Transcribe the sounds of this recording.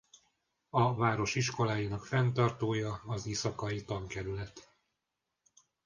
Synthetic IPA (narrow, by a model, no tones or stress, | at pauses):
ɒvaːɾo̞ʃiʃko̞laːjinɒkfɛnt̪ɒrt̪oːjɒːzeːsɒkɒjit̪ɒŋkɛɾylɛt̪